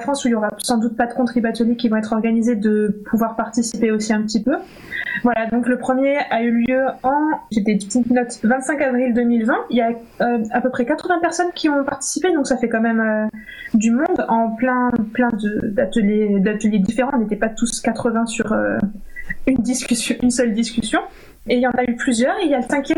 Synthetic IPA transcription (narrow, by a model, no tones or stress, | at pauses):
lafχɑ̃suiljɔʁasɑ̃d̪ut̪̚pad̪əkɔ̃t̪χibat̪əljekʲivɔ̃ɛt̪χɔʁɡanized̪əpʰuvwaʁpaʁt̪isipeosiɛ̃pə̥t̪ipø | vwalad̪ɔ̃kləpχəmjeayljøɑ̃ʒet̪ɛt̪it̪nɔt̪vɛ̃t̪sɛ̃kavʁild̪ømilvɛ̃ilja | øapøpχɛkat̪χəvɛ̃pɛʁsɔnkʲʰiɔ̃paʁt̪i̥siped̪ɔ̃ksafɛkɑ̃mɛmø | d̪ymɔ̃d̪ɑ̃plɛ̃plɛ̃d̪əd̪at̪əljed̪at̪əljed̪ifeʁɑ̃ɔ̃net̪ɛpat̪uskat̪χəvɛ̃syʁø̰ | ynd̪iskʲysjɔ̃ʔynsœld̪iskʲysjɔ̃ | eljɑ̃nayplyzjœːʁiljalsɛ̃kʲjɛm